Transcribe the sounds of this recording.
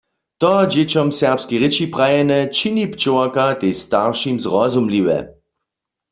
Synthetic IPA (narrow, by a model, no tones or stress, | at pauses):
t̪ɔd͡ʑet͡ɕɔmsɛʁpskiʁɪt͡ʃipʁajɛnɛt͡ʃinipt͡ʃowakat̪est̪aʁʃimzʁɔzumliwɛ̰